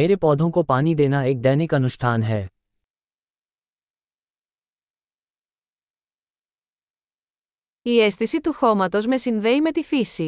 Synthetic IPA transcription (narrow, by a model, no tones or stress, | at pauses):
eːɾepɔːd̪ʱõkopaːnid̪eːnaeːk̚d̪ɛːnikɐnust̪ʰaːnɦɛː | ie̞st̪isit̪uxo̞mɐt̪o̞zme̞sinðe̞ime̞t̪ifisi